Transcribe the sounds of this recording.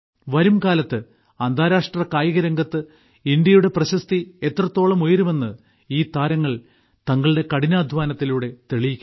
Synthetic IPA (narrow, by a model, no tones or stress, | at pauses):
ʋɐɾumkaːlɐt̪ːɨ | ɐnd̪ʱaːɾaːʂʈrɐkaːjiɣɐɾɐŋɡɐt̪ːɨ | ind̪jɐjuɽe̞prɐɕɐst̪ie̞t̪rɐt̪ːo̞ːɭɐmojiɾume̞nːɨ | iːt̪aːɾɐŋːɐɭ | t̪ɐŋːɐɭɖe̞kɐɽinaːd̪ʱʋaːnɐt̪ːiluːɽe̞t̪eɭijikʲː